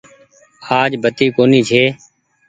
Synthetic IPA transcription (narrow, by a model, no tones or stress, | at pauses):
aːd͡ʒbət̪iːkoːniːt͡ʃʰeː